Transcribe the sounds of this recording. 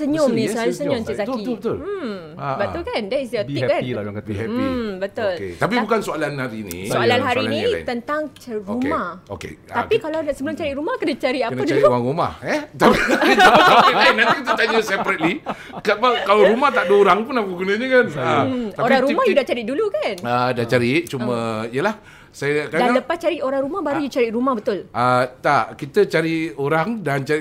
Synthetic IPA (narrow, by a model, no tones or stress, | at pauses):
səɲʊmnĩsoalasəɲʊmsəsatbiət̪bət̪ʊ̰l | bət̪ulkandaisiot̪ikanḭɛbət̪ʊlet̪ap̬ibukansoalanhaɾinḭ̃soalanɦaɾinĩt̪ənt̪aŋt͡ʃɾumaho̰kḛt̪apikalasəbəlʊmt͡ʃaɾiʔɾumahkənat͡ʃaɾiakənaduaɾiaŋɾuma̰hɛt̪apiit͡ʃuɛpɾɛtlinant̪ikit̪ət̪ad͡ʒusɛpɾət̪̚li | kabakalaɾumaht̪aʔdooɾaŋpʊnapkuɡunəɲəkanaaoɾaŋɾumahjudaht͡ʃaɾiʔdulukanədat͡ʃaɾiʔt͡ʃumə̃ijəlah | sajəkadannləpast͡ʃaɾiʔoɾaŋɾumahbaɾujut͡ʃaɾiʔɾumahbət̪ʊlʔət̪aʔkit̪ət͡ʃaɾioɾaŋdant͡ʃaɾiʔ